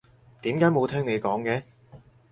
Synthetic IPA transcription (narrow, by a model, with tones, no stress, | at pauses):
t̪iː˨˥mkaː˨˥jmo˨˧wt̪ʰɛː˥ŋne˨˧jkɔː˨˥ŋkɛː˨˥